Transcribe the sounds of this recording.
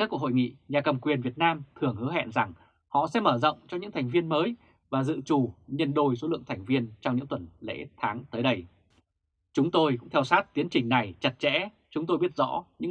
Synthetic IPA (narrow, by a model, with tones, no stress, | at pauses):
ka˦˥k̚u˨˩kho̰˧˨jŋḭ˧˨ɲaː˨˩kə˨˩mkwi˨˩ənvi˨˩ət̚naː˧mt̪ʰɨ˨˩əŋhɨ˨˦ɦɛ̰˧˨nza˨˩ŋ | hɔ̰˧˨sɛ̰˧˥məː˧˩zɔ̰˧˨wŋ͡mt͡ɕɔ˧ɲɨ̰˧˥ŋt̪ʰa˨˩ŋ̟vi˧ənməː˨˦j | vaː˨˩zɨ̰˧˨t͡ɕu˨˩ɲə˧nɗo˧˩js̬o˨˦lɨ̰˧˨əŋt̪ʰɛ˨˩jŋ̟vi˧ənt͡ɕɔ˧wŋ͡mɲɨ̰˧˥ŋt̪wə˧˩nlḛ˧˥t̪ʰaː˨˦ŋt̪əː˨˦jɗə˧j | t͡ɕʊ˨˦ŋ͡mt̪o˧jkʊ̰˧˥ŋ͡mt̪ʰɛ˧wsaː˦˥t̚t̪i˨˦ənt͡ɕï˨˩ŋ̟na˨˩jt͡ɕə˨˩t̚t͡ɕɛ̰˧˥ | t͡ɕʊ˨˦ŋ͡mt̪o˧jɓi˦˥ət̚zɔ̰˧˥ɲɨ̰˧˥